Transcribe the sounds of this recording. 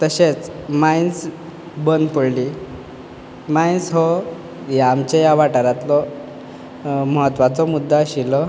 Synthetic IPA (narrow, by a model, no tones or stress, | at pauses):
t̪əɕet͡smains | bənpəɽli | mainsɦɔ | jamt͡ɕejaʋaʈaɾat̪lɔ | məɦət̪ʋat͡sɔmud̪ʱːaɕilɔ